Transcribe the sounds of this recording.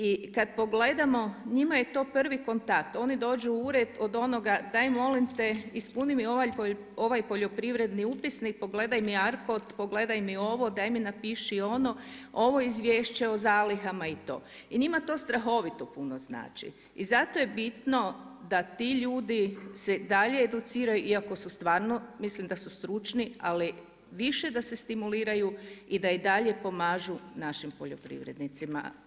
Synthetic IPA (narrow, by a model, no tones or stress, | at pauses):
ikad̪̚po̞ɡled̪amo̞ɲimaje̞t̪o̞ːpr̩ʋiko̞nt̪ak̚t̪o̞ːnid̪o̞ːd͡ʒuuɾed̪o̞d̪o̞noɡad̪ajmo̞limt̪eispunimio̞ʋaj | o̞ʋajpo̞ʎo̞pɾiʋɾe̞d̪niupisnik̚po̞ɡle̞d̪ajmiaɾkot̪po̞ɡle̞d̪ajmio̞ʋo̞d̪ajminapiʃio̞no̞o̞ʋo̞izʋʲjeːʃt͡ɕeozaːliɦamait̪o̞̰ː | iɲimat̪o̞st̪ɾaxo̞ʋit̪opunozna̰ːt͡ʃḭ | izat̪oje̞bit̪no̞d̪at̪iʎuːd̪ise̞d̪aʎe̞ːd̪ut̪siːɾajuʔiako̞sust̪ʋaːɾno̞mislimd̪asust̪ɾut͡ʃniali | ʋiʃe̞d̪ase̞st̪imuliːɾajuid̪aid̪aʎe̞po̞maːʒunaʃimpoʎopɾḭʋɾe̞̰d̪nit̪sima̰